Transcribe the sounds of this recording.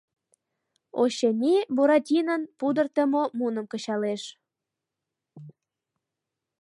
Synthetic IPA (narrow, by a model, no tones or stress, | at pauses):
oɕenʲiboɾɑt̪ʲinənpud̪ərt̪əmomunəmkət͡ɕɑleʃ